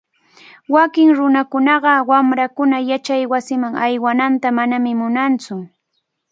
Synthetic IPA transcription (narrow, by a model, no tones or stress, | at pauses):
wakɪŋɾʊnakʊnɑɢɑwamɾakʊnajat͡ʃajwasɪmaŋajwanant̪amanamɪmʊnant͡sʊ